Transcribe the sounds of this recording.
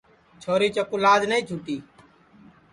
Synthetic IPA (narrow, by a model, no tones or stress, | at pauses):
t͡ʃʰoːɾiːt͡ʃəkʊlaːd͡ʒnəĩːt͡ʃʰuːʈiː